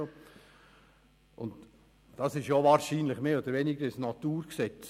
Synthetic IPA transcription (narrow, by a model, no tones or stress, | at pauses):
o | ʔʊnt | d̥ɑsɪʃjovɑːɾʃiːnlɪχmeːoːd̥̪əɾvenɪɡəɾɪsnɑt̪uːɾksɛt͡s